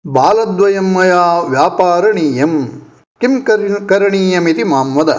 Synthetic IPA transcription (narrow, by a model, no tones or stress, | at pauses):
baːlɐd̪ʋɐjɐmːɐjaːʋjaːpaːɾɐɳiːjɐm | kimkɐkɐɾɐɳiːjɐmit̪imaːmʋɐd̪ɐ̰